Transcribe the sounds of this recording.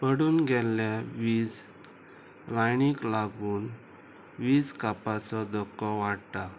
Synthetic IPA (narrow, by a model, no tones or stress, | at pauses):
pəɽuːnɡɛlːjaʋid͡z | ɾajniklaɡuːn | ʋiːd͡zkapat͡sɔd̪ɔkːɔʋaɽt̪a